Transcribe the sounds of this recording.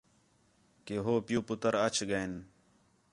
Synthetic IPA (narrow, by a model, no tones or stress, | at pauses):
keɦoːpjuːput̪əɾɐt͡ɕʰɡɐen